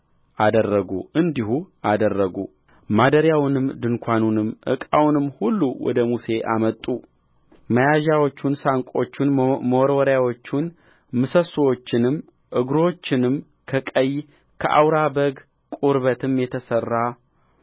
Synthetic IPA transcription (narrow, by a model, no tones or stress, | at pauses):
ʔad̪ərːəɡṵʔɨnd̪ihuad̪ərːəɡṵ | mad̪əɾjawnɨmd̪ɨŋkʷʰanunɨmʔɨ̰kʼawnɨmːhulːuwɔ̰d̪əmuse̞ʔa̰mət̪ʼːu | məjaʒawo̞t͡ʃːunsaŋkʷʼo̞t͡ʃːunməwɾwəɾjawo̞t͡ʃːun | mɨsəswo̞t͡ʃːɪnɨm | ʔɨɡɾo̞t͡ʃːɪnɨm | kʰəkʼəj | kʰəʔa̰wɾabəɡ | kʼuɾβət̪ʰɨmjɛt̪ʰəsərːa